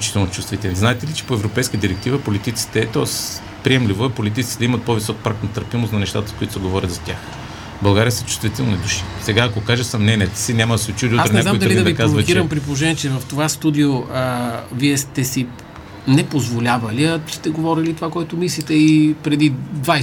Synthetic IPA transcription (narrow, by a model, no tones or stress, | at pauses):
ot͡ʃi̥t̪ɛlˠnot͡ʃust̪vit̪ɛlniznaɛt̪ɛlit͡ʃɛ̥poɛvɾopɛjskəəd̪iɾɛk̚t̪ivəpolit̪it̪si̥t̪ɛːt̪ɔs | pɾiɛmlivoɛpolit̪̬it̪sit̪d̪ɐimɐt̪̚povisɔkpɾakt̪nɐt̪əɾpimost̪nɐnɛʃt̪a̰t̪ə̥skoit̪ʊ̥sɐɡovɔɾʲət̪zɐt̪ʲax | bɐlˠɡaɾijəsɐt͡ʃu̥st̪vit̪ɛlˠnid̪uʃi̥sɛɡaːkokaʒɛsɐmnɛnʲiɛt̪sinʲamɐd̪ɐsɛot͡ʃud̪ʲuasɾnnaaoimd̪ɐliid̪ɐd̪ipkɾazvvɐkiɾɐmpɾip̬olˠoʒɛniɛt͡ʃɛvɐft̪ovast̪ud̪ioəviɛst̪ɛsi | nɛpozvolʲavɐliɐ̥st̪ɛɡovɔɾilit̪ovakɔɛt̪omislit̪ɛipɾɛd̪id̪va